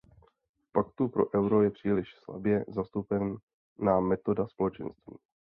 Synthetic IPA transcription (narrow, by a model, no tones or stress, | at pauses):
pakt̪upɾo̞̰ʔɛwɾo̞jɛpr̥iːlɪʃsla̰bjɛzast̪upɛn | naːmɛt̪o̞daspoɛt͡ʃɛ̰nst̪vḭː